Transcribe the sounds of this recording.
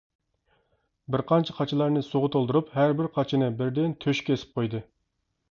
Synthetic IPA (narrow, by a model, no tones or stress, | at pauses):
bɪɾqʰɑnt͡ʃʰɛqʰɑt͡ʃʰɪlˠɑɾnɨsoʁʊt̪ʰolˠd̪uɾuphæɾbɪɾqʰɑt͡ʃʰinɨbɪɾd̪ɪnt̪ʰøʃkʲesɪ̥p̚qʰojd̪ɨ